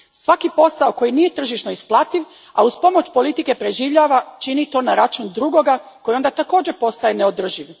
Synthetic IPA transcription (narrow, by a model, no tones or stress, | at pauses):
sʋakipo̞saoko̞jinije̞t̪r̩ʒiʃno̞isplˠat̪iʋ | a̰uspo̞mo̞t͡ɕpo̞lit̪ike̞pɾe̞ʒiːʋʎaːʋat͡ʃinit̪o̞ːnaɾat͡ʃund̪ɾuɡo̞ɡakojio̞nd̪at̪ako̞ːd͡ʑe̞po̞st̪aje̞neod̪r̩ʒiʋ